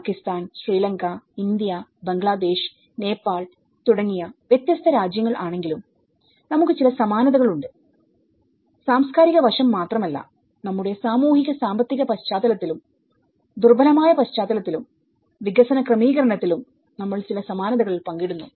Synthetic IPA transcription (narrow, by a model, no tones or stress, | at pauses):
kːist̪aːnɕriːlɐŋkɐind̪ijɐbeŋɡɭaːd̪e̞ːʂ | ne̞ːpːaːɭ | t̪uɽɐŋːijɐʋjet̪jɐst̪ʰɐɾaːd͡ʑjɐŋːɐɭʔaːɳe̞ŋɡilum | nɐmukːɨt͡ɕilɐsɐmaːnɐðɐɣɐɭuɳɖɨ | saːmskaːɾiɣɐʋɐʂɐmːaːt̪rɐmɐlːɐ̰ | nɐmːuɽe̞saːmuːhiɣɐsaːmbɐt̪ːiɣɐpɐɕt͡ɕaːðɐlɐt̪ːilum | d̪urbɐlɐmaːjɐpɐɕt͡ɕaːðɐlɐt̪ːilum | ʋiɡɐsɐnɐkrɐmiːɣɐɾɐɳɐt̪ːilum | nɐmːɐɭt͡ɕilɐsɐmaːnɐðɐɣɐɭilpɐŋɡiɽunːu